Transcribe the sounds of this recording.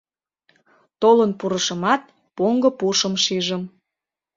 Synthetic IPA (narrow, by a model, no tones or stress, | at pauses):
t̪olənpuɾə̆ʃə̆mɑt̪̚ | poŋɡə̆puʃəmʃiʒəm